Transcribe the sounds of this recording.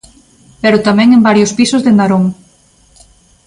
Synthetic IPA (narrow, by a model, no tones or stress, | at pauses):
peɾʊt̪amɛ̃ŋembaɾjospisʊzðenaɾoŋ